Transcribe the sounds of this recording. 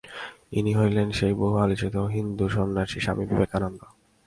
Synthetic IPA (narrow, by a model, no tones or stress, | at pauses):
iniɦojlenʃejboɦualit͡ɕit̪oɦind̪uʃonːaʃiʃa̰mibibekanond̪o